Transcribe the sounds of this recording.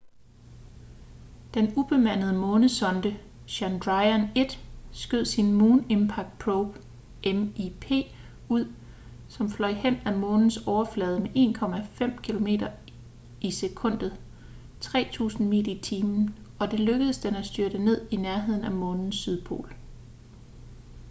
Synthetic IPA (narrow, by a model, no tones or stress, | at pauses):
d̥enub̥e̝mæn̰ð̞̩ˠəmɔ̽ːnəsɒ̽nd̥ə | ɕænd̥ʁɑ̈ɪæne̝d̥sɡ̥øð̰ˠsinmuːne̝mpʰɑ̈ɡ̥̚d̥̚pʰʁob̥ | ʔemipʰe̝̰ː | uð̰ˠ | sɒ̽mflɒ̽ɪhen̰æmɔ̽ːnn̩sɒʊɐflɛːð̞ˠəmeʔe̝̰ːnkʰɒ̽mæfem̰kʰilo̝me̝̰ːd̥ɐ | ʔise̝kʰɔ̽n̰d̥ð̩ˠ | t͡sʰʁɛ̰ːt͡sʰṵːsn̩mḭːdit͡sʰiːmn̩ | ɒ̽d̥e̝løɡ̥əð̩ˠəsd̥enæsd̥yɐɾ̥əne̝ð̞̰ˠinæɐɦe̝ð̞̰ˠn̩æmɔ̽ːnn̩syð̞ˠpʰo̝̰ːl